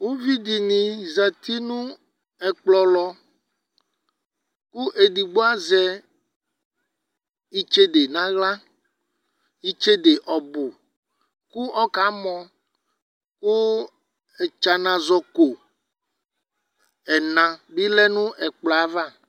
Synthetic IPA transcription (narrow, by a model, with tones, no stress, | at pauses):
wo˦vi˦di˨nĩ˨zɛ˨t̪i˦nũ˦ | ɛ˨k͡plɔ˨lɔ˨ | ku˦ʔe˨ɖi˨ɡ͡bo˦a˦zɛ˦ | i˦t͡ʃe˦de˨nã˦ɣla˦ | i˦t͡ʃe˦de˨ʔɔ˨bo˨ | ku˦ɔ˦ka˨˦mɔ̃˨ | ku˦ | ɛ˨t͡ʃa˨nã˨zɔ˨ko˨ | ɛ˨nã˨bi˦lɛ˦nũ˦ɛ˨k͡plɔ˨a˨va˦˨